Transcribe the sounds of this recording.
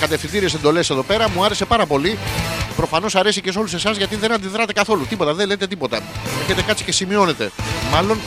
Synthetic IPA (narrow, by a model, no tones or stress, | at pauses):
kɐt̪efθind̪iɾie̞se̞nd̪o̞le̞se̞ðo̞pe̞ɾɐmuɐɾe̞se̞pɐɾɐpo̞lipɾo̞fɐno̞sɐɾe̞sices̬o̞luse̞sɐzʝɐt̪iðe̞nɐnd̪iðɾɐt̪e̞kɐθo̞lut̪ipo̞t̪ɐðenlet̪e̞t̪ipo̞t̪ɐeɾçet̪e̞kɐt̪si̥ce̞simio̞ne̞t̪e̞̰mɐlo̞n